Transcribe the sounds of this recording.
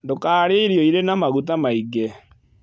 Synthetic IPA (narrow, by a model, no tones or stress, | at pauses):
ndokaːɾeiɾiɔiɾenamaɣut̬amaiɡe